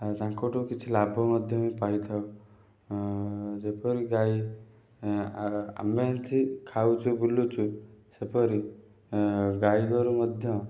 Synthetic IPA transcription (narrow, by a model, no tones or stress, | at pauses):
d͡ʒãkoʈukit͡ʃʰilabʱɔməd̪ʱjɔmĩpait̪ʰao | d͡ʒepʰɔɾiɡai | a̰ment̪ʰikʰaut͡ʃʰubulut͡ʃʰusepʰɔɾi | ɡaiɡɔɾuməd̪ʱjɔ̃